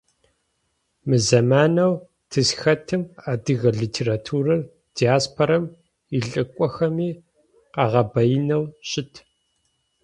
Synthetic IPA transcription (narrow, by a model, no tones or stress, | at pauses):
mɨzɐmaːnɐw | tʰɨsxɐtʰɨmaːdɨɣɐɮiːtʰeːratʰuːɾɐr | d̥iaːspʰoɾɐm | iɬʼɨkʷʼɔxɐmiː | qɑʁɐbɐjɪnɐwɕʼɪtʰ